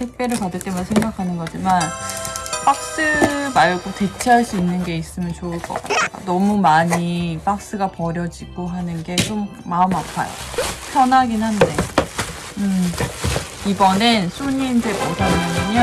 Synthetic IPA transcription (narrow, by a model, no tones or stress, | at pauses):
tʰek̚p͈e̞ɾɯɭpadɯɭt͈e̞munsʰe̞ŋɡakʰanɯnɡʌd͡ʑiman | p͈ak̚s͈ɯmaɭɡote̞t͡ɕʰeɦaɭs͈uinːɯnɡe̞is͈ɯmjʌnt͡ɕoɯɭk͈ʌ̰k͈a̰tʰa̰nʌmumaɲip͈ak̚s͈ɯɡapʌɾjʌd͡ʑiɡ̥oɦanɯnɡe̞t͡ɕomːaɯmapʰa̰jo̰pʰjʌnɦaɡinhande̞ | ɯ | ibʌnensʰuɲiːnd͡ʑe̞botʰananɯɲʌ